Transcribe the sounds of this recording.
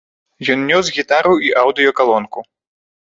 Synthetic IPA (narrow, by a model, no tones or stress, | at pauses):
jɔnnʲɔsɣʲit̪aɾuiʔawd̪ɨjɔkalˠɔnku